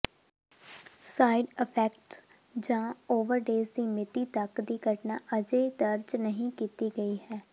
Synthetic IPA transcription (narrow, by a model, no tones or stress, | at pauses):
saːɪɖɪpʰɛːk̚ʈ | d͡ʒãːoːʋəɾɖeːzd̪iːmɪt̪iːt̪əkd̪iːɡəʈnaːʔəd͡ʒeːd̪əɾd͡ʒnəɦĩːkiːt̪iːɡəiːhɛː